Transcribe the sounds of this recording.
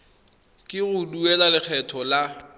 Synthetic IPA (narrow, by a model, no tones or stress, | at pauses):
kʼɪɣʊduɛlalɪk͡xʰɛtʰɔla